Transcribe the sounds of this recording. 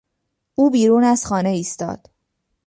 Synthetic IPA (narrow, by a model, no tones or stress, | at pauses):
uːbiːɾuːnæz̥xɒːne̞iːst̪ɒ̰ːd̪̥